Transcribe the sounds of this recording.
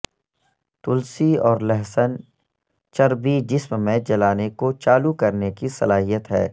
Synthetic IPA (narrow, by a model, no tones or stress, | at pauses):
t̪ʊlsiɔːɾlɛɦsən | t͡ʃɐɾbid͡ʒɪsmmẽd͡ʒɐlaːnekot͡ʃaːlukɐɾnekisɐ̰laːɦijət̪ɦɛ̰ː